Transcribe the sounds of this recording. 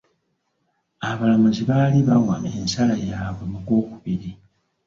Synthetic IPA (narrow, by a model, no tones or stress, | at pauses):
aβalamuziβaːliβaŋwamensalajaːvemukoːkuβiɾi